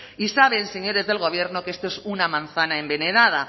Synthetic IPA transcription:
isaβ̞e̞nseɲo̞ɾe̞zðe̞lɣo̞β̞je̞ɾno̞keest̪oesunamãnθanaembe̞neðað̞a

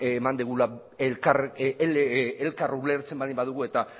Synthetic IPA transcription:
emand̪iɣ̞ula | kar | elkaruβle̞ɾt͡se̞mbaðimbaðuɣ̞ue̞t̪a

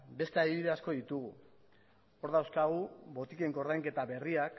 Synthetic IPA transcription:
be̞st̪eaðiβiðe̞asko̞ðit̪uɣ̞u | o̞ɾðawskaɣ̞uβo̞t̪ike̞ŋko̞ɾðajŋke̞t̪aβe̞riak

